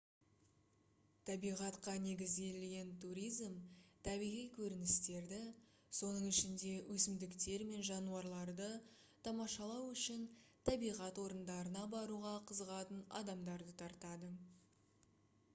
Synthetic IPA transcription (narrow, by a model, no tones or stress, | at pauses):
t̪ʰɑbijʁɑt̪qɑne̞ɡʲɪzɡʲe̞lɡʲe̞nt̪ʰuɾʲijzmt̪ʰɑbijʁijkʲʰɵɾɪnɪst̪e̞ɾd̪ɪ | so̞nəɴɪʃɪnd̪e̞wʔɵsɪmd̪ɪkt̪e̞ɾme̞nʒɑnuɑɾlˠɑɾd̪ə | t̪ʰɑmɑʃɑlˠɑwʏʃɪnt̪ʰɑbijʁɑt̪wo̞ɾənd̪ɑɾənɑbɑɾuʁɑqʰəzəʁɑt̪ənɑ̰d̪ɑmd̪ɑɾd̪ət̪ʰɑɾt̪ɑd̪ə